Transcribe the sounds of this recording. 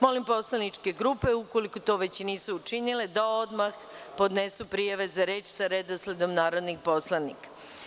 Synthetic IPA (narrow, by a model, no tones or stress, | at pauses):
mo̞limpo̞slanit͡ʂke̞ɡɾupe̞uko̞likot̪o̞ʋe̞t͡ɕniːsuːt͡ʂinile̞d̪ao̞d̪max | po̞d̪ne̞supɾijaʋe̞zaɾe̞ːt͡ʃsaɾed̪osled̪o̞mnaːɾo̞d̪nikpo̞slˠanḭkḁ